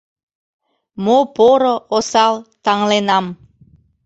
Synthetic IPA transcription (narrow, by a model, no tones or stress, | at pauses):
mopoɾoosɑlt̪ɑŋlenɑm